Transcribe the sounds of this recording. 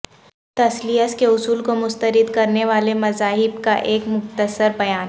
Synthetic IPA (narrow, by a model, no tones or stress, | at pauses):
t̪ɐsliəskeʊsuːlkomʊst̪əɾɪd̪kɐɾneʋaːlemɐzaːɦɪbkaʔeːkmʊxt̪əsəɾbɐjaːn